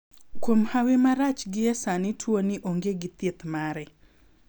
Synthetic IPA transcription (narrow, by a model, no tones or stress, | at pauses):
kwomhawemaɾat͡ʃɡɪɛsanɪtʰwoniʔoŋɡeɡɪt̪et̪maɾɛ